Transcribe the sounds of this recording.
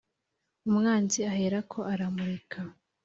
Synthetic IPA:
umŋaːnziaheːɾakʰo̞ʔaɾamuɾekʰa

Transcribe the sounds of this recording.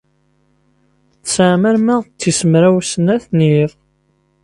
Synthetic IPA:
θsəʕmæɾmæʁt͡s̪ːisəmɾæwsənæθniðˤ

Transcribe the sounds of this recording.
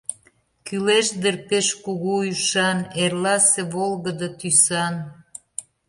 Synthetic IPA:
kyleʃd̪erpeʃkuɣuyʃɑnerlɑseβolɣə̆d̪ət̪ysɑn

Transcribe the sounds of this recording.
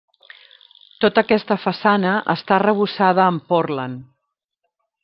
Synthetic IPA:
t̪ot̪əkɛst̪əfəsanəʔə̰st̪arəβ̞usað̞əːmporlən

